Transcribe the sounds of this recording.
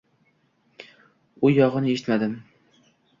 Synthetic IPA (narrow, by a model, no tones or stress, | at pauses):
ʊjɒʁɨnɪeʃɪt̪mad̪ɪm